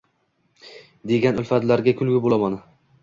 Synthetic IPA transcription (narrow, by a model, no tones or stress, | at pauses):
d̪e̞ɡʲanʊlfad̪laɾɡʲakʲʰʊlˠɡʲɪbolˠamanɪ